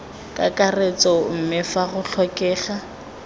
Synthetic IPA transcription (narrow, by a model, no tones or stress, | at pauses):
kʼa̰kʼaret͡sʼɔm̩mɪfaɣʊɬʰɔkʼɛːɣa